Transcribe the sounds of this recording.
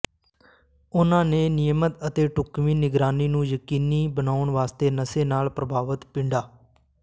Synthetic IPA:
ʊnãːneːnɪjəmət̪ət̪eːʈʊkmiːnɪɡɾaːniːnũːjəkiːniːbənaːʊɳʋaːst̪eːnəseːnaːlpɾəbʱaːʋət̪pɪ̃ɳɖaː

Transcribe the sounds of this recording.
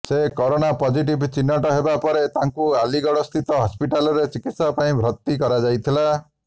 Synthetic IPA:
sekɔɾoñapɔd͡ʒiʈ̬ibt͡ʃinːɔʈɔɦebapɔɾet̪aŋkualiɡɔɽɔst̪ʰit̪ɔɦɔspiʈalɔɾet͡ʃikit̪sɔpaĩbʱɾɔt̪ːikɔɾad͡ʒajt̪ʰila

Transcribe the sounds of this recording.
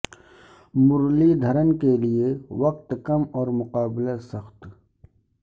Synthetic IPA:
mʊɾlid̪ʱəɾənkeliewɐqt̪kɐmɔːɾmʊqaːblasəxt̪

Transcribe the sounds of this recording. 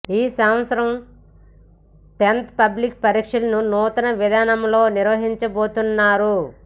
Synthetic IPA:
iːsɐmʋɐsɐɾɐm | t̪ent̪pɐblik̚pɐɾiːkʂɐlɐnunuːt̪ɐnɐʋid̪aːnɐmlo̞ːniɾʋɐɦiɲt͡ʃɐboːt̪unːaːɾu

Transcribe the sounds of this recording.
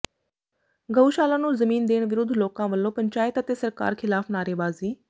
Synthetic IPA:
ɡəuʃaːlãːnũːzəmiːnd̪eːɳʋɪɾʊd̪ʱloːkãːʋəlːõːpəɲt͡ʃaːɪt̪ət̪eːsəɾka̰ːɾkʰɪlaːpʰnaːɾeːbaːziː

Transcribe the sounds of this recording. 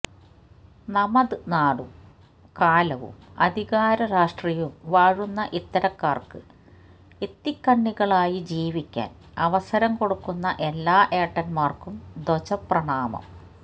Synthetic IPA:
nɐmɐðɨnaːɽum | kaːlɐʋṵmɐ̰d̪ʱiɣaːɾɐɾaːʂʈrijɐumʋaːɻunːɐʔit̪ːɐɾɐkːaːrkɨ | it̪ːikːɐɳːiɣɐɭaːjid͡ʑiːʋikʲːa̰ːn | ɐʋɐsɐɾɐmko̞ɽukːunːɐʔe̞lːaːʔe̞ːʈːɐnmaːrkumd̪ot͡ɕɐprɐɳaːmɐ̰m

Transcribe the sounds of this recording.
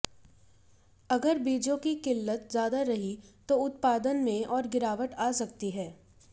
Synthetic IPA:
ɐɡəɾbiːd͡ʒõkikɪlːət̪zjaːd̪aɾɐɦit̪oʊt̪̚paːd̪ənmẽʔɔːɾɡɪɾaːʋəʈaːsɐkt̪iɦɛː

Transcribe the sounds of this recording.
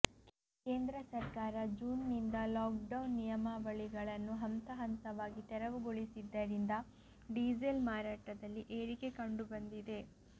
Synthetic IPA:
ke̞ːnd̪ɾɐsɐɾkaːɾɐd͡ʒuːnːind̪ɐlaːkɖɐwnːijɐmɐʋɐɭiɡɐɭɐnːuɦɐmt̪ɐɦɐnt̪ɐʋaːɡit̪ɛɾɐʋuɡoɭisid̪ːɐɾind̪ɐ | ɖid͡ʒelmaːɾaːʈɐd̪ɐlːiʔeːɾike̞kɐɳɖubɐnd̪id̪e̞

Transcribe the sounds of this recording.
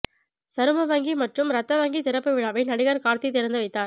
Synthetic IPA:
sɐɾɯmɐʋɐŋɡimɐʈrɯmɾɐt̪ːɐʋɐŋɡit̪ɪɾɐpːɯʋɪɭaːʋɐɪnɐɽɪɣɐɾkaːɾt̪it̪ɪɾɐnd̪ɯʋɐɪt̪ːaːɾ

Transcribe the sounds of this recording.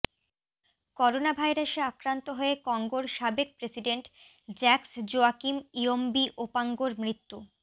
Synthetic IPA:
kɔɾonabʱajɾaʃeakɾant̪oɦoekɔŋɡoɾʃabek̚pɾesiɖeɳʈ | d͡ʑɛksd͡ʑoakimiombiʔopaŋɡoɾmɾit̪ːu

